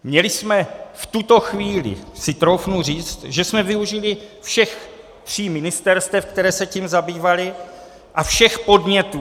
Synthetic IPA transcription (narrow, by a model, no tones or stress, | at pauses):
mɲɛlɪsmɛft̪ut̪o̞xviːlɪ̰sɪt̪ɾowfnur̝iːt͡st̪ʒɛsmɛvɪuʒɪlɪfʃɛx | t̪r̝̥iːmɪnɪst̪ɛɾst̪ɛfkt̪ɛɾɛːsɛcimzabiːvalɪ | ʔafʃɛxpo̞d̪mɲɛt̪uː